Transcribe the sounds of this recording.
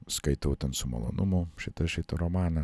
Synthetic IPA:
skɐɪt̪ɐʊt̪ʲɛnsʊmɐ̰lˠo̰ːnʔʊmʊʃʲɪt̪ɐʃʲɪt̪ɐɾɔmɑːnɐ

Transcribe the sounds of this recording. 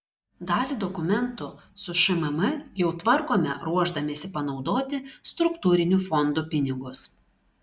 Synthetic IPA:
d̪ɑːlʲiːˑd̪ɔkʊmʲɛnt̪ʊsʊʃɐmɛmɐjɛʊt̪ʋɐɾkoːmʲɛ̰ɾuɔʒd̪ɐmʲeːsʲɪpɐnɒʊd̪oːt̪ʲɪst̪ɾʊkt̪uːɾʲɪnʲufɔnd̪upʲɪnʲɪɡʊs

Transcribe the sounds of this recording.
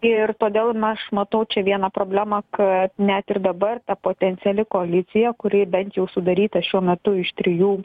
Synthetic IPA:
ɪrt̪oːd̪ʲeːlˠmʲɛʃmɐt̪ɐʊt͡ʃʲɛʋʲiɛnɐpɾoːbʲlʲæːmɐkɐt̪nʲæt̪ɪɾd̪ɐbɐrt̪ɐpoːt̪ʲɛnʲsʲɪɛlʲɪkoɐlʲɪt̪sʲɪjɛkʊɾʲɪbʲɛnʲt̪jɛʊsʊd̪ɐɾʲiːt̪ɐʃʲuɔmʲɛt̪ʊɪʃt̪ʲɾʲɪjuː

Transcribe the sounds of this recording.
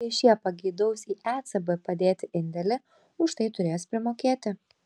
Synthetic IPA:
ɪʃʲjiɛpɐɡʲiːd̪ɐʊsʲiːʔæːt̪sɐbɨpɐd̪ʲeːt̪ʲɪʔɪnʲd̪ʲɛlʲɪ | ʊʃt̪ɐɪt̪ʊɾʲeːspʲɾʲɪmoːkʲeːt̪ʲɪ

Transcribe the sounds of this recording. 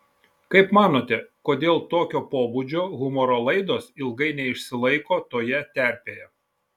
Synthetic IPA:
kɐɪpmɑːnoːt̪ʲɛkoːd̪ʲeːlˠt̪oːkʲoːpoːbud͡ʒʲoːɣʊmɔːɾoːlˠɐɪd̪oːsɪlˠɡɐɪnʲɛɪʃʲsʲɪlˠɐɪkoːt̪oːjɛt̪ʲæˑɾʲpʲeːjɛ

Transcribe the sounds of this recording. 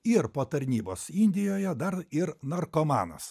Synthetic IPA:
ɪɾpoːt̪ɐɾʲnʲiːboːsɪnʲd̪ʲɪjoːjɛd̪ɐɾɪɾnɐɾkoːmɑ̰ːnɐ̰s

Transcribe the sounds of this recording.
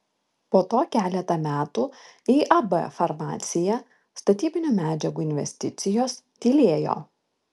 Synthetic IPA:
poːt̪oːkʲæːlʲɛt̪ɐmʲæːt̪uː | iːʔɐbɛfɐɾmɑ̰ːt̪sʲɪjɛ | st̪ɐt̪ʲiːbʲɪnʲuːmʲæːd͡ʒʲɛɡuːɪnʲʋʲɛ̰sʲt̪ʲɪt̪sʲɪjoːst̪ʲiːlʲeːjo̰ː

